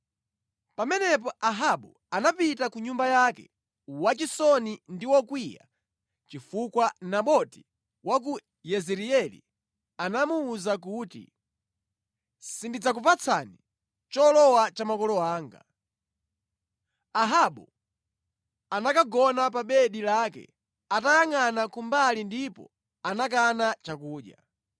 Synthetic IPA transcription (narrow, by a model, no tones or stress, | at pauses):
pamɛnɛp̬ɔaɦaɓu | anapitakuɲumbajakɛ̰ | wat͡ʃisɔnindiwɔkwija̰ | t͡ʃifukwanaɓɔti̥ | wak̬u | jɛzɛɾiɛlḭ | anamuːzak̬uːtḭ | sindid͡zakupat͡sʰa̰ni | t͡ʃɔlɔwat͡ʃamakɔlɔaːŋɡa̰ | aɦaɓɔ | anakaɡɔnapaɓɛɗilakɛ̰ | atajaŋanakumbalindipɔ̰ | anakanat͡ʃakuːɗja